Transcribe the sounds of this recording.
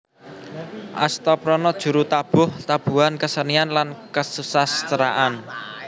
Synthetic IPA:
ʔa̰st̪ɔpɾɔnɔd̥ʒ̥ṳɾut̪ab̥ʊ̤ht̪ab̥ṳankəsənianlankəsusast̪əɾaʔan

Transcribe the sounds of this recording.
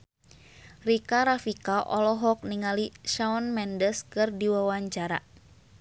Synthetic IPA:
rikaɾafikaʔɔ̰lɔɦɔk̚niŋaliʃaɔnmɛndəskɨrdiwawaɲt͡ʃaɾa̰

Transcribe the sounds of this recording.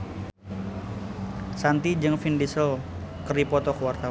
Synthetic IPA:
sant̪id͡ʒɨŋfindisɔl | kəripɔt̪ɔkəwart̪a

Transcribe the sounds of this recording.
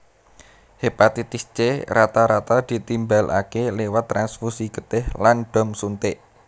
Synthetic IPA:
hepat̪it̪ist͡ʃeɾat̪aɾat̪ad̪̥i̤t̪imbalʔa̰kelewat̪ːɾansfusikət̪ɪhlanɖ̪̥ɔ̤msunt̪ɪʔ

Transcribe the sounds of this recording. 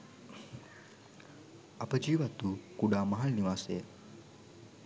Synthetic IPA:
apəd͡ʑiːʋat̪uːkuɽaməɦalniʋase

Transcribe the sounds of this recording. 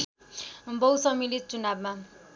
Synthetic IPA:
bʌwsʌmilit͡sunabma

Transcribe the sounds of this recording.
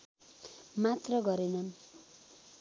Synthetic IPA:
mat̪rʌɡʌɾenʌn

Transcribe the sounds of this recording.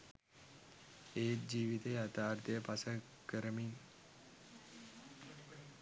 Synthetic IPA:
eːt̪̚d͡ʒiːʋit̪ejat̪aːɾt̪əjəpasə | kəɾəmiŋ

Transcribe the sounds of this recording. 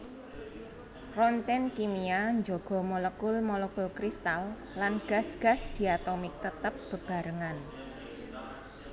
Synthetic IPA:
rɔnt̪ɛnkimiaɲd͡ʒoɡ̥ɔ̤mɔləkʊlmɔlekʊlkɾist̪al | lanɡ̥a̤sɡ̥a̤sd̪̥i̤at̪omɪk̚t̪ət̪əp̚b̥ə̤b̥a̤ɾəŋan

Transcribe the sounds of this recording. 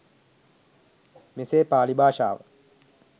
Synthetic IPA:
meseːpaːlibaːʃa̰ːʋə̰

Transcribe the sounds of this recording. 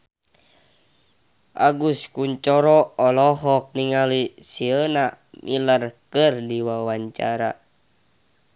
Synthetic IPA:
ʔa̰ɡuskuɲt͡ʃɔɾɔɔlɔɦɔk̚niŋalisiəna | mʔḭlərkərdiwawaɲt͡ʃa̰ɾa̰

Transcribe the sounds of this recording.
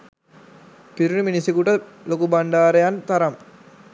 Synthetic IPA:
piɾunuminisikuʈəlokubaɳɖaːɾejant̪aɾam

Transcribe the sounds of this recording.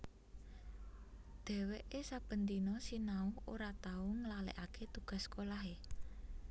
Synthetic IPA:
d̪̥ɛ̤weʔesab̥ə̤nt̪inɔsinauoɾat̪auŋəlalḛʔaket̪uɡ̥a̤skolaɦe

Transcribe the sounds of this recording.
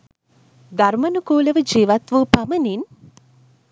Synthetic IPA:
d̪armɐnukoːləʋəd͡ʒiːʋat̪ʋupamənin

